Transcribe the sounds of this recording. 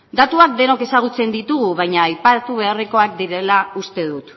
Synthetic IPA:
d̪at̪uak̚d̪e̞noke̞saɣ̞ut͡se̞nd̪it̪uɣ̞uβ̞ajɲaːjpat̪uβ̞e̞ariko̞ak̚d̪iɾe̞laust̪e̞ðut̪

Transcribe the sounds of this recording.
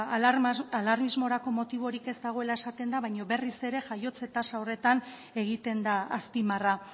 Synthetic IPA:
alaɾmizmo̞ɾako̞mo̞t̪iβ̞o̞ɾike̞zd̪aɣ̞o̞elae̞sat̪e̞nd̪aβajɲo̞βe̞rise̞ɾe̞ʝajo̞t͡se̞t̪asaore̞t̪an | e̞ɣit̪e̞nd̪aːspimara

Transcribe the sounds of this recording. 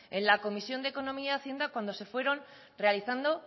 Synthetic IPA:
e̞nlako̞misjo̞nd̪eko̞nõ̞miajaθje̞nd̪akwand̪o̞se̞fwe̞ɾo̞n | realiθand̪o̞

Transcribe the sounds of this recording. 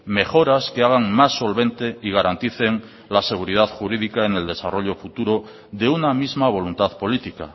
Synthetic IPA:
me̞xo̞ɾaskeaɣ̞aŋmasːo̞lβẽ̞nt̪e̞iɣ̞aɾant̪iθe̞ŋ | lase̞ɣ̞uɾið̞aðxuɾiðikaene̞ld̪e̞saro̞ʎo̞fut̪uɾo̞ | ðe̞unamizmaβ̞o̞lunt̪aðpo̞lit̪ika̰

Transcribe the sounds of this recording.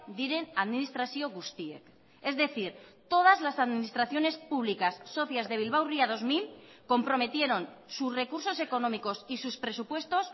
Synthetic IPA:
d̪iɾe̞naðminist̪ɾasjoɣust̪iek | e̞zðe̞θiɾt̪o̞ð̞azlasaðmĩnist̪ɾaθjo̞ne̞spuβ̞likasːo̞θjazðe̞βilβ̞awriaðo̞zmilko̞mpɾo̞met̪je̞ɾo̞n | susre̞kuɾso̞se̞ko̞nomiko̞sisuspɾe̞supwe̞st̪o̞s

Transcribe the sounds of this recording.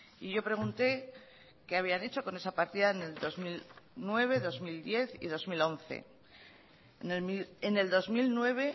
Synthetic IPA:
iʝo̞pɾe̞ɣ̞unt̪e̞ | keaβ̞iane̞t͡ʃo̞ko̞ne̞sapaɾt̪iðaene̞ld̪o̞zmilnwe̞β̞e̞ðo̞zmild̪je̞θḭð̞o̞zmilo̞nθe̞̰ | nemieneld̪o̞zmilnwe̞β̞e̞

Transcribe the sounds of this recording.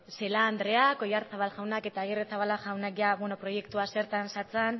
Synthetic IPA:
se̞laːnd̪ɾe̞ako̞jaɾt͡saβalʝawnake̞t̪aːɣiret͡saβalaʝawnakʝaβweno̞pɾo̞je̞kt̪uase̞ɾt̪ansat͡san

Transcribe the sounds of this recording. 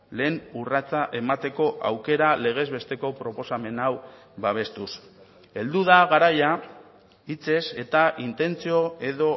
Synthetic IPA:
le̞ːnurat͡saʔe̞mat̪e̞ko̞ʔa̰wke̞ɾale̞ɣ̞e̞zβe̞st̪e̞ko̞pɾo̞po̞same̞naw | βaβ̞e̞st̪us | e̞ld̪uðaɣaɾaja | it͡se̞se̞t̪aʔint̪e̞nt͡sio̞e̞ðo̞

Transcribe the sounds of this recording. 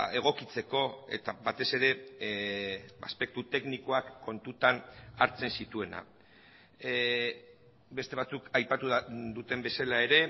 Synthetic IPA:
e̞ɣ̞o̞kit͡se̞ko̞e̞̰t̪aβat̪e̞se̞ɾe̞ | a̰spe̞k̚t̪ut̪e̞kniko̞akːo̞nt̪ut̪anaɾt͡se̞nsit̪ue̞na̰ | be̞st̪e̞β̞at͡sukajpat̪ud̪ut̪e̞mbe̞salae̞ɾe̞

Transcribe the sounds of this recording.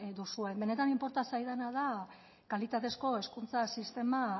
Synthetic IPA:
d̪usue̞mbe̞ne̞t̪animpo̞ɾt̪asajð̞anað̞a | kalit̪at̪e̞sko̞e̞skunt͡sasist̪e̞ma

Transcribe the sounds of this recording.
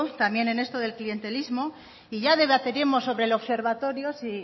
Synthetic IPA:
t̪amje̞ne̞ne̞st̪oðe̞lklije̞nt̪e̞lizmo̞ | iʝaðe̞βat̪eɾimoso̞βɾelo̞βse̞ɾβat̪o̞ɾjosi

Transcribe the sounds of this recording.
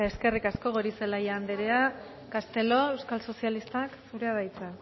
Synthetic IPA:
e̞ske̞rikasko̞ɣoɾise̞lajaand̪eɾea | kast̪e̞lo̞e̞wskalso̞sjalist̪aksuɾeað̞ajt͡sa

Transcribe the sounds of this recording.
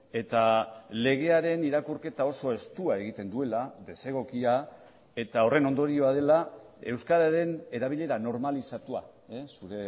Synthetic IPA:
e̞t̪ale̞ɣ̞e̞aɾe̞niɾakurke̞t̪ao̞so̞e̞st̪uae̞ɣ̞it̪e̞nd̪ue̞laðe̞se̞ɣ̞o̞kia | e̞t̪ao̞re̞no̞nd̪o̞ɾio̞að̞e̞la | e̞wskaðaɾe̞ne̞ɾaβ̞iʎe̞ɾano̞ɾmalisat̪ua̰esuɾe̞

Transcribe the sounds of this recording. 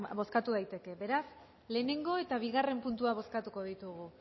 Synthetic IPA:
bo̞skat̪uð̞ajt̪e̞ke̞βe̞ɾas | le̞ːne̞ŋɡo̞e̞t̪aβ̞iɣare̞mpunt̪uaβ̞o̞skat̪uko̞ð̞it̪uɣ̞u

